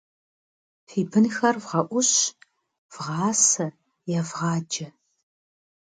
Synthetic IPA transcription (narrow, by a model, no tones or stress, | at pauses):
fiːbɨnxɐrvʁɐʔʷʊɕ | v̥ʁɑːsɐ | jɛvʁɑːd͡ʒɐ